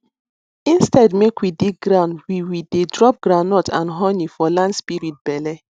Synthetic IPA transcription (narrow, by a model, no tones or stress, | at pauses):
ĩnstɛdmekwidik̚ɡɾãʊ̃ndwiwidedɾɔp̚ɡɾanɔtʰã̰nɦɔnifɔlãndspiɾit̚bɛlɛ